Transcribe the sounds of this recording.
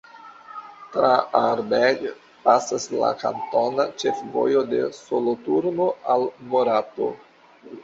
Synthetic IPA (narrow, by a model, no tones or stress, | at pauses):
tɾaaɾbeɡ | pasasla̰ka̰nto̞nat͡ʃe̞fvo̞̰jode̞̰solotuɾno̞almoɾato̞̰